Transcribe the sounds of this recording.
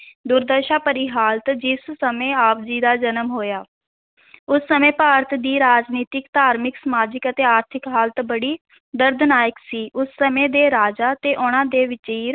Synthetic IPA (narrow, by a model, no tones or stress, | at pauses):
d̪ʊɾd̪əɾʃaːpəɾiːɦaːlt̪d͡ʒɪssəmẽːaːp̚d͡ʒiːd̪aːd͡ʒənəmɦoːjaː | ʊsːəmẽːpaːɾət̪ʰd̪iːɾaːd͡ʒniːt̪ɪkt̪aːɾmɪksəmaːd͡ʒɪkət̪eːaːɾt̪ʰɪkɦaːlt̪bəɽiː | d̪əɾd̪naːjəksiːʔʊsːəmẽːd̪eːɾaːd͡ʒaːt̪eːʔʊnãːd̪eːʋɪt͡ʃiː